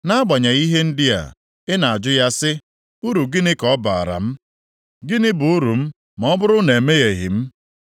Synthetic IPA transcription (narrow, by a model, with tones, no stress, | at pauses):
na˦ɡ͡ba˨ɲa˨i˦ɦe˦n̩˦dɪ˦a̰˨ | ɪ˦na˨a˨d͡ʒʊ˦ja˦sɪ˦ | u˦ɾu˨ɡɪ˦nɪ˦kɔ˨˦ba˨a̰˨ɾa̰˨m̩˦ | ɡɪ˦nɪ˦bʊ˨u˦ɾu˨m̩˦ | m˨ɔ˦bʊ˦ɾʊ˦ne˨me˦ɣe˨ɦɪ̰˨m̩˦